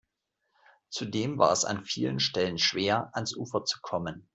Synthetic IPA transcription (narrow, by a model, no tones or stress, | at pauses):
t͡sudeːmva̰ːɐɛsa̰nfiːlənʃtɛlənʃv̥eːɐʔansʔuːfɐt͡su̥kʰɔmən